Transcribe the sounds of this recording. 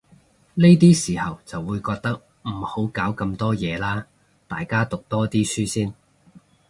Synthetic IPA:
ne˥jt̪iː˥siː˨˩hɐ˨wt͡sɐ˨wːuː˨˧jkɔː˧k̚t̪ɐ˥k̚ | m̩˨˩ho˨˥wkaː˨˥wkɐ˧mt̪ɔː˥jɛː˨˧laː˥ | t̪a̰ː˨jkaː˥t̪ʊ˨k̚t̪ɔː˥t̪iː˥syː˥siː˥n

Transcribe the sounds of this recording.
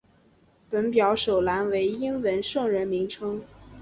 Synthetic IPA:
pə˧˥npjɑ˧˥ʊʂo˨˩ʊla˧˥nwe˧˥ɪi˥nwə˧˥nʂɤ˥˩ŋɻə˧˥nmi˧˥ŋʈ͡ʂʰɤ˥ŋ

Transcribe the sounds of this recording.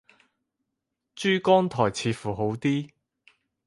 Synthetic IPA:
t͡ʃyː˥kɔː˥ŋt̪ʰɔː˨˩jt͡sʰiː˨˥fuː˨˩ɦo˨˥wt̪iː˥

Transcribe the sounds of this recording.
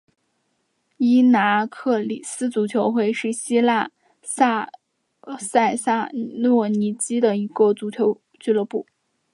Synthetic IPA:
i˥na˧˥kʰɤ˥˩li˨˩sɹ̩˥t͡su˧˥t͡ɕʰjo˧˥ʊxwe˥˧ɪʂɻ̩˥˩ɕi˥la˥˧ | sa˥˧ | sa˥˧ɪsa˥˩nwɔ˥˩ni˧˥t͡ɕi˥d̪ə˨i˧˥kɔ˥˩t͡su˧˥t͡ɕʰjo˧˥ʊ | t͡ɕy˥˩lɤ˥˧pu˥˩

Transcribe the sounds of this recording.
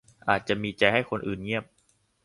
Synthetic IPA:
ʔaː˨˩t̪̚t͡ɕa˨˩miː˧t͡ɕa˧jɦa˥˩jkʰo˧nʔɯː˨˩nɲi˥˩əp̚

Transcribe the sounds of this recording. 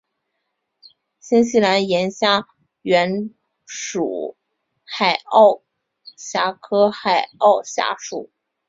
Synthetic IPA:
ɕi˥nɕi˥˩la˧˥njɛ˧˥nɕja˥ | ɥɛ˧˥n | ʂṵ˨˩ | xa˨˩ɪɑ˥˩ʊ | ɕja˧˥kʰɤ˥xa˨˩ɪɑ˥˩ʊɕja̰˧˥ʂu˨˩˦

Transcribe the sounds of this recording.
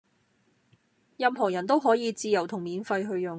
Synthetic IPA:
jɐ˨˧mɦɔː˨˩jɐ˨˩nt̪o˥wɦɔː˨˥jiː˨˧t͡siː˧jɐ˨˩wt̪ʰʊ˨˩ŋmiː˨˧nfɐ˧jɦɵ˧ɥjʊ˨ŋ

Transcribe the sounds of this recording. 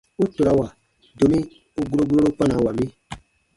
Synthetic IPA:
u˦to˨ɾa˨wa˨ | do˨mĩ˦ | u˦ɡu˦ɾo˦ɡɾo˦ɾo˦pã˦na˨wa˨mi˦

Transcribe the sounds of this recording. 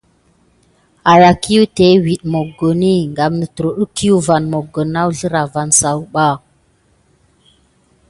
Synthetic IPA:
a˨ja˨ki˦ju˦te˦wi˨ɗmo˨ɡo˨ni˦ŋɡa˨mnə˨tɾo˨ɗu˦ki˦ju˦va˨nmo˨ɡo˨na˦wɮə˦ɾa˨va˨nsa˨wɓa˦˨

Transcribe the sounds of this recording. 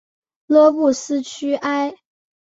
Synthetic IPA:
lwɔ˥pu˥˩sɹ̩˥t͡ɕʰy˥ʔa˥ɪ

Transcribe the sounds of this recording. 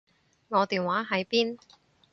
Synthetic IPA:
ŋɔː˨˧t̪iː˨nwaː˨˥ɦɐ˨˥jpiː˥n

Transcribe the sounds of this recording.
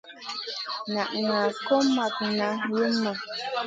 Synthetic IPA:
na˨ʔŋa˨ko˦ma˨k̚na˨ji˦ma˨

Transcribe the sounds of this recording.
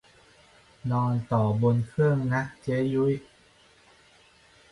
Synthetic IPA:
nɔː˧nt̪ɔː˨˩bo˧nkʰɯ˥˩əŋna˦˥k̚t͡ɕe˦˥ju˦˥j

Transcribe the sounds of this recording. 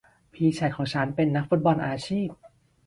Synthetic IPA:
pʰiː˧t͡ɕʰa˨˩jkʰɔː˩˦ŋt͡ɕʰa˦˥npe˧nːa˦˥k̚fu˦˥t̪̚bɔ˧nʔaː˧t͡ɕʰiː˥˩p̚

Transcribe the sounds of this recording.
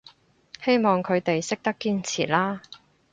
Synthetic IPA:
he˥jmɔː˨ŋkʰɵ˨˧ɥt̪e˨jsɪ˥k̚t̪ɐ˥kːiː˥nt͡sʰḭː˨˩t̚laː˥

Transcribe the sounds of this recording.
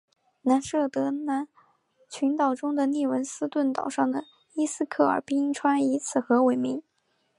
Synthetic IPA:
na˧˥nʂɤ˥˩t̪ɤ˧˥na˧˥n | t͡ɕʰy˧˥nt̪ɑ˨˩ʊʈ͡ʂʊ˥ŋd̪ə˨ni˥˩wə˧˥nsɹ̩˥t̪wə˥˩nt̪ɑ̰˨˩ʊʂɑ˥˩ŋd̪ə˩ | i˥sɹ̩˥kʰɤ˥˩ə̰˞˨˩pi˥i˥ŋʈ͡ʂʰwa˥ni˧˥t͡sʰɹ̩˥˩xɤ˧˥we˨˩ɪmi˧˥ŋ

